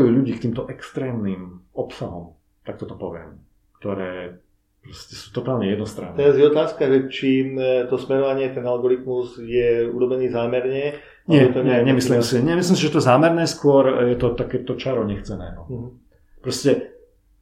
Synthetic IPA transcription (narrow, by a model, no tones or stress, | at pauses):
juːʎuɟiːkt̪iːmt̪ɔʔɛkst̪ɾɛːmniːmɔpsaɦɔm | t̪ak̚t̪ɔt̪ɔpɔʋɪɛ̰m | k̚t̪ɔɾɛː | pɾɔscɛsu̥ːt̪ɔt̪aːlɲɛjɛd̪nɔst̪ɾanːt̪ːɛɾazjɛɔt̪aːskaʒɛt͡ʃit̪ɔsmɛɾɔʋaɲɪɛt̪ɛnalɡɔɾit̪muzjɛṵɾɔbɛniːzaːmɛɾɲɛ | ɲɪɛt̪ɔɲɛɲɛmislimsiɲɛmis̬lims̬iʒɛt̪ɔzaːmɛɾnɛːskʊɔɾjɛt̪ɔt̪akɛːt̪ɔt͡ʃaɾɔɲɛxt͡sɛnɛ̰ːɦɔ | pɾɔscɛ